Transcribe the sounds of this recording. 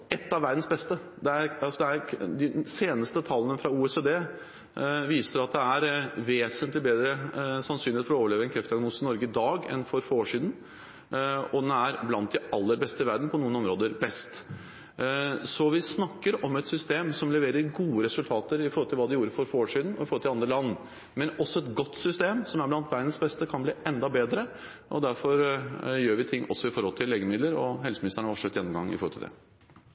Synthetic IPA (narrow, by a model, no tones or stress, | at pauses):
ɛt̪ːɑʋæɾd̪n̩sbɛst̪əd̪ɛæɾɑlsɔd̪ɛæɾd̪ɪseːnəst̪ət̪ʰɑlːənəfɾɑuːɛsed̪eː | ʋiːsəɾɑt̪̚d̪ɛæɾʋeːsənt̪lɪbeːd̪ɾəsɑnsyːneːt̪fɔɾɔoːʋəɭeːʋəɛnkʰɾɛft̪ɪɑɡnuːsɪnɔɾɡəɪd̪ɑːɡɛ̰nfɔɾfɔɾoːʂiːd̪n | ɔd̪ɛnæɾblɑnt̪̚d̪ɪɑlːəɾbɛst̪əɪʋæɾɖnpɔnuːənɔmɾoːd̪əɾbɛst̪ | sɔʋɪsnɑkːəɾɔmɛt̪sʏst̪eːmsɔmlɛʋeːɾəɾɡuːəɾɛsʉlt̪ʰɑːt̪əɾɪfɔɾɔlt̪ɪlʋɑːd̪ɛɪjuːɾəfɔɾfɔɾoːʂiːd̪n̩ɔɪfɔɾɔlt̪ʰɪlɑnd̪ɾəlɑnː | mɛnɔsɔɛt̪ɡɔt̪ːsʏst̪eːmsɔmæɾblɑnt̪ʋæɾənsbɛst̪əkʰɑnbliːʔɛnd̪ɑbeːd̪ɾə | ʔɔd̪æɾfɔɾjøːɾʋɪt̪ʰɪŋːʔɔsːɔɪfɔɾhɔlt̪ʰɪlːeːɡəmɪd̪ləɾɔɦɛlsəmɪnɪst̪əɳəʋɑʂœt̪jɛnːɔmɡɑ̰ŋːɪ̰fɔɾhɔlt̪ɪ̰ld̪ɛ̰